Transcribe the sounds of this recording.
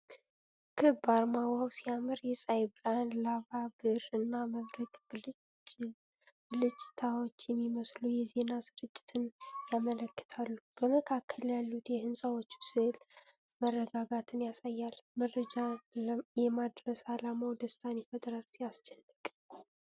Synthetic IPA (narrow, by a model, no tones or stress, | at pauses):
kʰɨbaɾmawawsijamɨɾjɛsʼajbɨɾanlaβabɨɾɨnːaməβɾəɡ | lɨt͡ʃʼːɪt̪ʰawo̞t͡ʃːjɛmːiməslujɛze̞nasɨɾɨt͡ʃʼːɪ̥t̪ʰɨnjamələkːə̥t̪ʰalːub̥əməkʰakʰːəljalːut̪jɛhɨnsʼawot͡ʃːu̥sɨhl | mərːəɡaɡat̪ʰɨnjasajːalmərəd͡ʒajɛmad̪ɾəsalamawd̪əst̪ʰanifəd̪ʼəɾalsijast͡ʃɛnːɨkʼ